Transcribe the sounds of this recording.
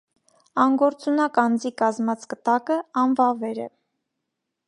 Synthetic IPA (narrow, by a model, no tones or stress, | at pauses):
ɑŋɡɔɾt͡sunɑkɑnd͡zikɑzmɑt͡sʰkət̪ɑkəɑnvɑvɛɾɛ̰